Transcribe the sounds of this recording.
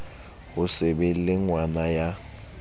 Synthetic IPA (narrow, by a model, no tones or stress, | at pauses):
bʊsebel̩lɪŋwanaja